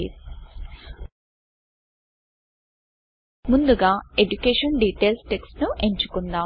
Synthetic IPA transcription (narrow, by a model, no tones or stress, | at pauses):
ḭ | mund̪uɡaːeɖukeːʂɐnɖiːʈeːlsʈeksnuʔeɲt͡ʃukund̪aː